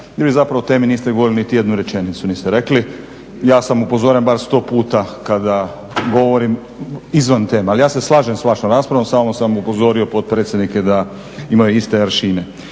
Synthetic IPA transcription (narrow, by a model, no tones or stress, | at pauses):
jeɾbizapɾaʋot̪e̞ːminiːst̪eɡooɾilinit̪ije̞d̪nuɾet͡ʃe̞nit̪sunist̪eɾekli | jaːsamupozoɾembaɾst̪o̞ːpuːt̪akad̪a | ɡo̞ʋoɾim | izʋant̪e̞ːmealijaːse̞slˠaːʒemsʋaːʃnomɾaːspɾaʋomsaːmosamupozo̞ɾio̞pot̪̚pɾet̪sʲjed̪niked̪a | imajuist̪eɾʃiːne